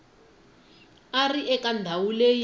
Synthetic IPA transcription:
ariɛkand̪ʱawulej

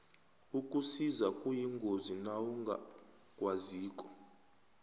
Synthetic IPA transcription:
ukʼusizakʼujiŋɡʱozinawuŋɡʱa̰ | kʼwaziːkʼɔ̥

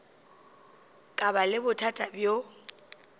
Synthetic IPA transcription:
kʼabalɪbʊtʰatʼabjo

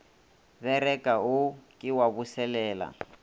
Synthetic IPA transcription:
βɛrɛkʼaʊkʼɪwaβusɛlɛːla̰

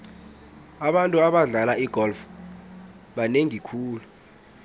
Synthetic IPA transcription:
aɓantʼuaɓaɮalaiɡ̥ʱɔlf | ɓaneŋikʰuːlu

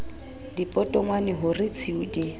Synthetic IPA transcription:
dipʼɔtʼɔŋwanɪɦʊrɪt͡sʰiudi

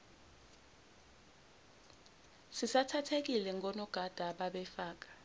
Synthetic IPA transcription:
sisatʰatʰek̬ilɛŋʱɔnɔɡ̥ʱad̥ʱaɓaɓɛfaːk̬ḁ

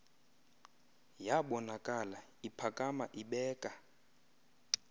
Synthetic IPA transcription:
jaɓɔnakʼala | ipʰakʼamaʔiɓɛːkʼa

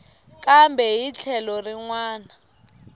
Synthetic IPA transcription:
kʼambɛɦit͡ɬʰɛlɔriŋwaːna

